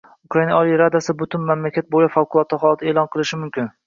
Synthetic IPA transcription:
ʊkɾainaɒlˠijɾad̪asɪbʊt̪ʰʊnmamlakʲʰat̪̚bojafawˠqʰʊlˠɒt̪ʰːɒχɒlˠt̪ʰelˠɒnqʰɨlˠɪʃɪmʊmkʲɪn

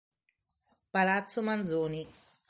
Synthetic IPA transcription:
palat̪sːomand̪zoːni

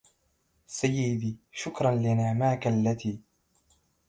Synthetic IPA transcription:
sajːɪd̪iːʃʊkɾˤɑnlɪnɪʕmaːkalːat̪ʰiː

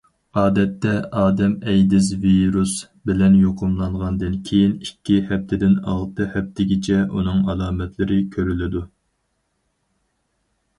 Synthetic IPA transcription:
ɑːd̪ɛt̪ːɛʔɑːd̪ɛmɛjd̪ɪzviɾus | bɪlɛnjoqʰʊmlˠɑɴʁɑnd̪ɨnkʲʰejinikʲʰːihɛp̚t̪ʰɪd̪ɪnɑ̰ʁˠt̪ɨhɛp̚t̪ʰɪɡʲɪt͡ʃʰɛunɨŋɑlˠɑːmɛt̪lɪɾɪkʲʰøɾylɪd̪u

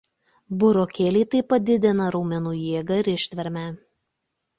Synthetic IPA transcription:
bʊɾɔkʲeːlʲɛɪt̪ɐɪpɐt̪̚d̪ʲɪd̪ʲɪnɐɾɐʊmʲɛnuːjiːɡɐɪɾɪʃʲt̪ʲʋʲɛɾʲmʲæ

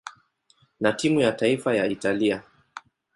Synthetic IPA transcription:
natimujataifajaitalia

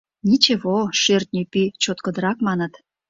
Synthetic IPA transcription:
nʲit͡ɕeβoʃørt̪̚nʲepit͡ɕot̪kəd̪əɾɑkmɑnət̪

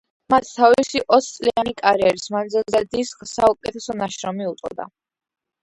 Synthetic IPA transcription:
mast̪ʰːavisiʔɔt̪sʰt̪sʼlianikʼaɾiɛɾismand̪zɛlˠzad̪iːssaukʼɛt̪ʰɛsɔnaʃɾɔmiut̪ʼɔ̰d̪a̰

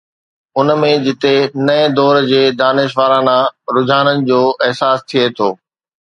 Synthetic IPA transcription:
ʊnmẽd͡ʑɪt̪enɐ̃ɪ̃d̪ɔːɾd͡ʑeːd̪aːnɪʃʋaːɾãːnãɾʊd͡ʑʱaːnənɪ̆d͡ʑoːɪɦsaːst̪ʰiet̪ʰoː

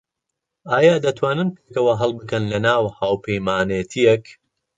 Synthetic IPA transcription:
ʔaːjaːd̪ɐt̪ʰwaːnɨnpʰeːkɐwɐɦɐlˠbɨkʰɐnlɐnaːwhaːwpʰejmaːnɐjt̪ʰijek

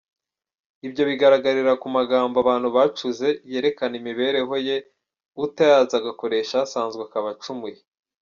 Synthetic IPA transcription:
ibɟo̞βiɡaɾaɡaɾiɾakumaɡaːmboaβaːn̥huβat͡ʃuze̞je̞ːɾe̞kanimiβe̞ːɾe̞ɦo̞je̞ | utajaːzaɡako̞ɾe̞ːʃaːsaːnzɡwekaβat͡ʃume

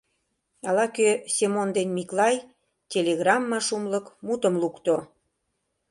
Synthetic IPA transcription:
ɑlɑkøsʲemond̪enʲmiklɑj | tʲeleɣrɑmːɑʃumləkmut̪əmlukt̪o

